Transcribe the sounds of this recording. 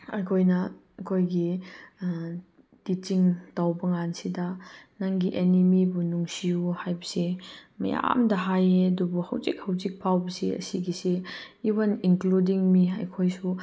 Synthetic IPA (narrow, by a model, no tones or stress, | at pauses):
ɐjkʰojnɐ | ɐkʰojɡi | tit͡ʃiŋtawbɐŋansidɐnaŋɡiʔenimibunuŋsiuhajbɐsemɐ̰ja̰mdɐɦajeɐdubuhɐ̰wzik̚hɐwzik̚pʰawbɐsiɐ̰siɡiseː | wɐninkludiŋmiɐ̰jkʰojsu